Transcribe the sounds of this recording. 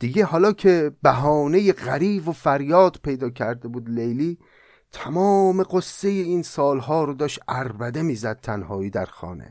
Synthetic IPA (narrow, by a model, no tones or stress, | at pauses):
d̪̥iɡehɒːlɒːcʰe̞bæɦɒːne̞jeɣæɾiːbofæɾjɒːd̪̥pʰe̞jd̪ɒːcʰæɾd̪ebuːd̪lejliː | t̪ʰæmɒːmeɢosːe̞jeiːnsɒːlhɒːɾod̪ɒːʃʔæɾbæd̪e̞miːzæd̪̚t̪ʰænhɒːiːd̪æɾxɒ̰ːnḛ